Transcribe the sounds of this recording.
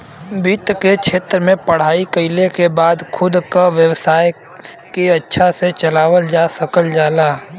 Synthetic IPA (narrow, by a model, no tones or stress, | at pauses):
biːt̪kekʃʰeːt̪ɾəmẽpɐɽ̤aːikəɪlekebaːd̪kʰʊd̪kaʋjəʋsaːj | keɐtːʃʰaset͡ʃɐlaːʋəld͡ʒaːsəkəld͡ʒaːlaː